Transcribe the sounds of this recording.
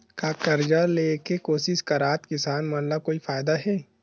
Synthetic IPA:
kaːkɐɾd͡ʒaleːkekoːsɪʃkɐɾaːt̪kɪsaːnmɐləb̚koːifaːjd̪aɦɛː

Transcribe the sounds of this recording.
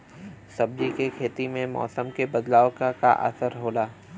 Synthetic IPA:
sɐb̚d͡ʒikekʰeːt̪imẽmɔ̰ːsəmkebɐd̪laːokaka̰ʔə̰səɾɦoːlaː

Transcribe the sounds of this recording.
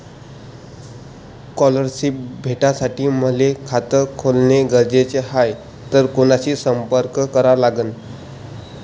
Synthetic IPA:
kɔləɾɕip̚bʱeʈasaʈiːməlekʰat̪əkʰolneɡəɾd͡ʑet͡seɦaj | t̪əɾkonaɕiːsəmpəɾkkəɾalaɡən

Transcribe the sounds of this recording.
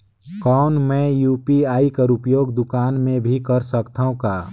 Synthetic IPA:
kɔːʊnmɛ̃juːpiaːikəɾupjoːɡd̪ʊkaːnmẽbʱikəɾsəkt̪ʰaũkaː

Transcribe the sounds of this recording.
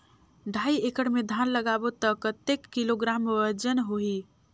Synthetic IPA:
ɖʱaiekəɽmed̪ʱanləɡabot̪əkət̪ekːiloɡɾaməd͡ʒənɦoɦi

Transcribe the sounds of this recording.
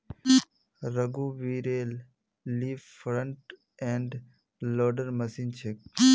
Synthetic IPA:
ɾɐɡuːʋiːɾeːlː | iːʋfɾə̃ɳʈ | ɛ̃ɳɖ | loːɖəɾmɐsiːnt͡ʃʰek̚

